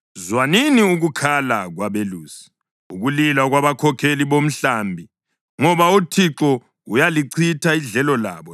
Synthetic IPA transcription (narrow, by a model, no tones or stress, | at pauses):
zwaniniuɣukʰalaɣwaβeluːsi̥ | uɣulilaɣwaβakʰɔkʰeliβom̩ɬambʱi | ŋɔβautʰiǁɔ | ɣujaliǀʰitʰaiɮɛlɔla̰ːβɔ